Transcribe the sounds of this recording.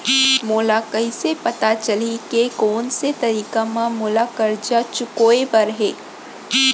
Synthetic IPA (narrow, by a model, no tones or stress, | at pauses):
moːlakɐisepɐt̪at͡ʃɐlikekɔːnset̪ɐɾiːkamãmoːlakɐɾd͡ʒat͡ʃʊkoːebɐɾɦeː